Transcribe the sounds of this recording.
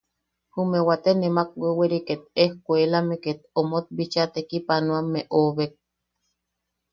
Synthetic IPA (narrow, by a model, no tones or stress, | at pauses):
humewat̪enemak̚weweɾiket̪̚ehkʷelameket̪omot̪̚bit͡ʃat̪ekipanoamːeʔoβek̚